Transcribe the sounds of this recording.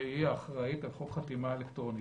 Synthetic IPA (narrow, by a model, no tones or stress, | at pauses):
eiaːχʁaitalχokχat̪imaelekt̪ʁoni